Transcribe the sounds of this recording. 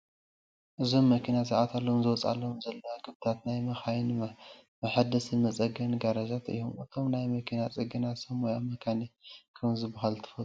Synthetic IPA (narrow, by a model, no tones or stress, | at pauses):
ʔɨzo̞mːɐkʰinasɨʕat̪ʰalːozɨwɔt͡sʼa̰lːomzɐlːɐaɡʰɨβt̪ʰat̪najmɐxajnmmɐħad̪ɐsɨnmɐt͡sʼɐɡɐnɡaɾɐzat̪ʔɨ̰jːomɨt̪ʰo̞mnajmɐkʰinat͡sʼɨɡɨnat̪sɐmojamːɐkʰanikʰɐmzɨbɐɦalt̪ʰɨ̥fɐ